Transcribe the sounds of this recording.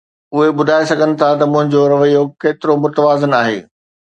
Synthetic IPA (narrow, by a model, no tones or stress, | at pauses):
ʊɦeɓʊd̪ʱaːesɐɡʱənɪ̆t̪ʰat̪ɐmʊ̃ɦɪ̃ɲd͡ʑoɾɐʋəijokeːt̪ɪɾomʊt̪əʋaːzənaːɦḛː